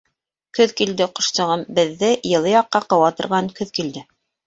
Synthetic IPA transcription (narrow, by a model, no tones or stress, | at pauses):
kɵðkild̪ɘqŏʃt̪ɤ̆ʁɤmbɘ̆ðːɘjɤ̆lˠɤjɑqːɑqɤ̆wɑt̪ɤ̆ɾʁɑŋkɵðkild̪ɘ